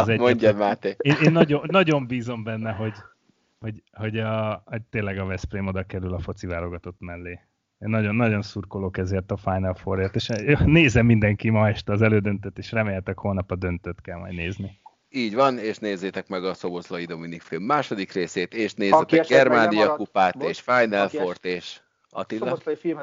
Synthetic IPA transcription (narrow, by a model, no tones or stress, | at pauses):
ɒzɛɟmoɛɲɟmaːt̪eeːeːnːɒɟoːɒɟo̞mbiːzo̞mbɛnːɛɦo̞ɟ | ho̞ɟho̞ɟɒho̞ɟ̚t̪eːnlɛɡɒvɛspreːmo̞d̪ɒkɛɾylɒfo̞t̪sivaːlo̞ɡɒt̪o̞t̪mɛlːeː | enːɒɟo̞nːɒɟo̞nsurkolokɛzeːrt̪ɒfajnɒlfoɾeːrt̪eːʃneːzɛmːind̪ɛŋkimɒɛʃt̪ɛːzɛløːd̪ø̞nt̪øt̪ːeːʃrɛmeːlɛt̪ɛkholnɒpɒd̪ø̞nt̪øt̪kɛlmɒ̰jneːzni | iːɟvɒneːʃneːzːeːt̪ɛkmɛɡɒso̞bozlojid̪o̞minikfilmːaːʃo̞d̪ikreːseːt̪eːʃneːzykɛɡɛrmaːnijɒkupaːt̪eːʃfajnɛlfort̪eːʃ | ɒ̰t̪iloifil